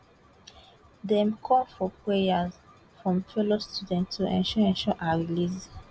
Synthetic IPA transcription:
dɛ̃mkʰɔlfɔpʰɹejaz | fɹɔ̃mfɛlostudɛ̃ntːuʔɛ̰̃nʃɔɛ̃nʃɔʔaɹilis

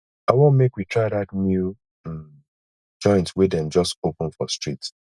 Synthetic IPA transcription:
aɪwõnmekwitʰɹaɪðatnju | m | d͡ʒɔ̃ɪ̃ntwɛdɛ̃nd͡ʒɔstopə̃nfɔstɹit

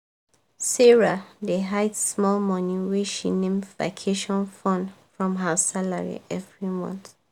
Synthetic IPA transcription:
sɛɹadeɦaɪtsmɔlmɔ̃niweʃḭnẽmva̰kʰeʃɔ̃nfɔ̃nfɹɔ̃mɦəsalaɹḭʔɛvɹimɔ̰̃nθ

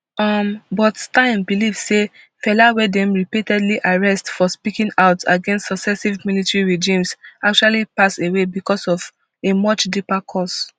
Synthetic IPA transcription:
ɔmbɔtstãɪ̃mbiliv̥se | fɛlawɛdɛ̃mɹipitɛdliʔaɹɛstfɔspikĩŋaʊtaɡɛ̃nstsɔksɛsivmilitɹiɹed͡ʒĩmsak̚t͡ʃualipasewebikɔsɔv | emʌt͡ʃdipakʰɔs

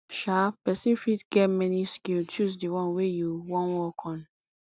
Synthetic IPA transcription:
ʃapɛsĩnfitɡɛtmɛniskilt͡ʃusdiwɔ̃nwejuwɔ̃nwɔkʰɔ̃n

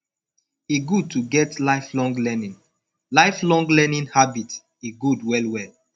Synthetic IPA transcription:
eɡud̚tʰuɡɛtlaɪflɔ̃ŋɡlɛnĩn | laɪflɔ̃ŋɡlɛnĩnhabit | eɡudwɛlwɛl

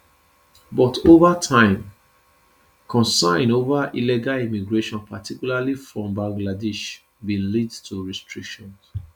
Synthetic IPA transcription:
bɔtʰovatʰãɪ̃m | kʰɔ̃nsãɪ̃novaʔilɛɡalimiɡɹeʃɔ̃npatikjulalifɹɔ̃mbãŋɡladɛʃ | bĩnlidtʰuɹɛstɹikʃɔ̃ns

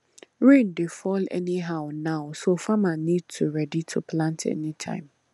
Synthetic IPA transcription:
ɹẽndefɔlɛ̰niɦaʊnaʊsofamanĩd̚tʰuɹɛditʰupʰlãntʰɛ̰nitʰã̰ɪ̃m

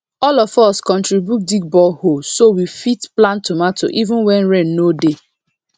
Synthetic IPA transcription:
ɔlɔfɔskɔ̃ntɹibjut̚diɡ̚bɔlhosowifitplãntumato̰ʔivʊ̃nwɛ̃nɹɛ̃nːode

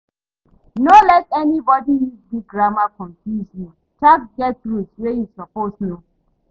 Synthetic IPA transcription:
nolɛtɛnibɔdinibiɡ̚ɡɹamakɔ̃ɱfjuzji | t͡ʃak̚ɡɛt̚ɹuswejusɔposno

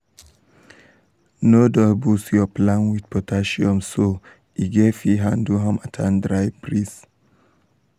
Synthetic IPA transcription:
nodɔbusjɔplãnwid̥pɔtʰaʃiɔ̃mso | iɡeviɦãnduɦɛ̃matʰãndɹaɪbɹis

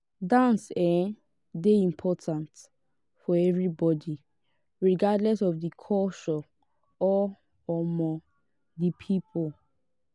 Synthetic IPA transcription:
dãnsɛ | deĩmpʰɔtʰãnt | fɔɛvɹibɔdi | ɹiɡadlɛsɔvdikʰɔʃɔ | ɔ | ɔmɔ | dipʰipʰol

